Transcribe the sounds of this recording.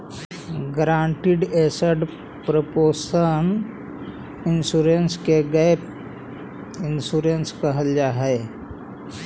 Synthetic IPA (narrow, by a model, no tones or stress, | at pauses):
ɡɾãːɳʈɪɖeːsəɖ | pɾəpoːsən | ɪnsuːɾenskeɡəep | ɪnsuːɾenskəɦəljaɦɛː